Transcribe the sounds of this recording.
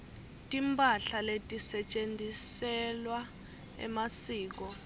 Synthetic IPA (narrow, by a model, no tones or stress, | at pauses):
tʼimpʼaɬaletʼisɛt͡ʃʼend͡zʱisɛlwa | ɛ̰masiːk̬ɔ